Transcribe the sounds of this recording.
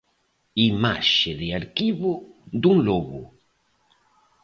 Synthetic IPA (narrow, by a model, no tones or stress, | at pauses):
imaʃeðeaɾkiβud̪uŋloɣṵ